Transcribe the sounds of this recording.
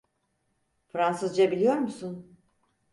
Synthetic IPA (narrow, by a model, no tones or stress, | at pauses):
fɾansɯzd͡ʒabilʲijo̞ɾmusun